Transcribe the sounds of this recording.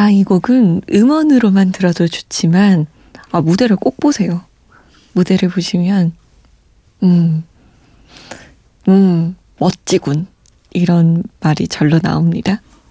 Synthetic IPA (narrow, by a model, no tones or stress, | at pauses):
aiɡoɡɯnɯmʌnɯɾomantɯɾʌdot͡ɕu̥t͡ɕ͈iman | ʌmude̞ɾɯɭk͈ok̚p͈osʰe̞jo | mude̞ɾɯɭpoɕʰimjʌn | ɯ | ɯ | mʌt̚t͡ɕ͈iɡun | iɾʌnmaɾit͡ɕʌɭːona̰omɲida